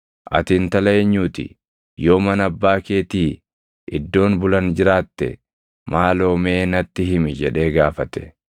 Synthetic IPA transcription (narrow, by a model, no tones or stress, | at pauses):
ʔɐ̰t̪ɪːnt̪ɐlɐeːɲːuːt̪ɪ̰ | jo̞ːmɐnɐbːaːke̞ːt̪iː | ɪd̪ːo̞ːnbʊlɐnd͡ʒɪɾaːt̪ːɛ̰ | maːlo̞ːme̞ːnɐt̪ːɪɦɪmɪd͡ʒɛᶑe̞ːɡaːfɐt̪ɛ̥